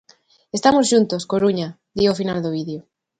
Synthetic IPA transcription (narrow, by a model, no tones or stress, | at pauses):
est̪amosʃunt̪oskoɾuɲa | d̪iofina̰ld̪oβ̞iðjo